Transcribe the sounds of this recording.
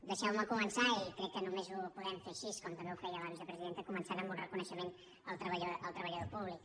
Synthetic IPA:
d̪əʃɛwməkumənsaikɾɛkːənumezupuðɛmfeʃiskɔmt̪əmbeufɛjəlaβizəpɾəziðent̪əkumənsaɾəmbunrəkunəʃəmen | əlˠt̪ɾəβəʎəlˠt̪ɾəβəʎəðopuβlik

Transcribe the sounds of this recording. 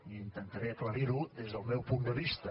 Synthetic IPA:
iint̪ənt̪ɐɾeɐklɐɾiɾud̪ezðəlˠmewpund̪əβist̪ɐ

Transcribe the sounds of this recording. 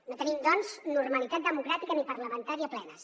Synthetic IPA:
not̪ənimd̪ɔnznurməlit̪at̪̚d̪əmukɾat̪ikənipərləmənt̪aɾiəplɛnə

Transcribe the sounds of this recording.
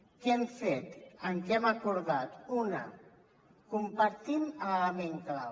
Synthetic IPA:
kɛmfet̪əŋkɛmakuɾðat̪unə̰ | kumpaɾt̪imələmeŋklaw

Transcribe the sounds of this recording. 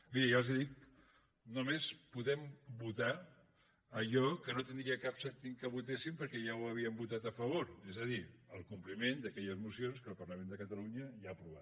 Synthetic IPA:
miɾəjalzeðik̚ | numespuðɛmbut̪a | əʒɔkənot̪ənd̪ɾiəkapsɛɾt̪iŋkəβ̞ut̪esimpəɾkɛʒawəβ̞iəmbut̪at̪əfəβ̞oɾezəðiəlˠkumplimend̪əkɛʎəzmusionskəlˠpəɾləmend̪əkət̪əluɲəʒaːpɾuβ̞at̪

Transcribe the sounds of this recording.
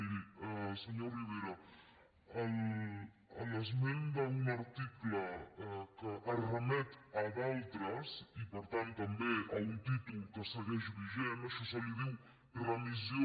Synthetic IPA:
iɾisəɲoriβeɾa | al | ələzmend̪aunaɾt̪iklɐkəʔarəmɛt̪aðalt̪ɾɐsipəɾt̪ant̪ːɐmbeaunt̪it̪ulkəsəɣɛʒuβiʒenaʃɔsɔliðiw | rəmizjo

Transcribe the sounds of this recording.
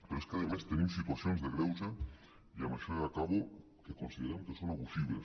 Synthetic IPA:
peɾoeskaðemast̪enĩmsit̪waθjonzðeɣɾewsa | iamaʃoakaβo | kekonsiðeɾemkesonaβusiβles

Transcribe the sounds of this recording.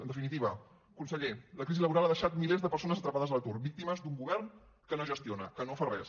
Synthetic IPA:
ənd̪əfinit̪iβ̞ə | kunsəʎeləkɾiziləβuɾalˠaðəʃat̪̚milezd̪əpəɾs̬onəzət̪ɾəpaðəzðəlˠt̪uɾrbik̚t̪iməzd̪uŋɡuβɛɾn | kənoʒəst̪ionə̰kənofarɛs

